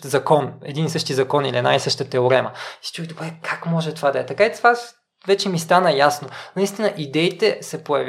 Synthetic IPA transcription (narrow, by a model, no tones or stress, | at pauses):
zɐkɔnɛ̰d̪inisɤʃt̪izɐkɔnilʲiɛna̰isɤʃt̪ət̪ɛoɾɛməsi̥t͡ʃujd̪obɾɛkʰakmɔʒɛt̪ovad̪ɐɛt̪ɐkait̪va | vɛt͡ʃɛmist̪anəjasnonɐist̪inəʔid̪ɛit̪ɛsɛpojɐvʲ